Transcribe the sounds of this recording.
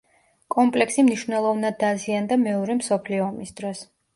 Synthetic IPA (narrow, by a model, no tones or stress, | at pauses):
kʼɔmpʼlɛksimniʃvnɛlˠɔvnad̪ːaziand̪amɛɔɾɛmsɔpʰliɔːmisd̪̥ɾɔs